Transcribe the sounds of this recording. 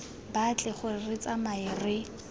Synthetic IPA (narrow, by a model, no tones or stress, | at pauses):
bat͡ɬʼɪχʊrɪt͡sʼamaɪrɪ